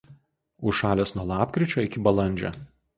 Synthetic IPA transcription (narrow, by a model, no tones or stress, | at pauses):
ʊʃɑːlʲeːsnuɔlˠɑːpʲkɾʲɪt͡ʃʲoːɪkʲɪbɐlˠɐnʲˑd͡ʒʲɛ̰